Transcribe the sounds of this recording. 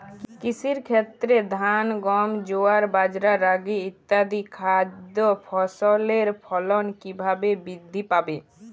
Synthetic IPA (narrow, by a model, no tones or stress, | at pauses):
kisiɾkʰet̪ɾed̪ʱanɡɔmd͡ʒoaɾbad͡ʒɾaɾaɡiːt̪ːad̪ikʰad̪jopʰɔsɔleɾpʰɔlɔnkibʱabebid̪ʱːipabe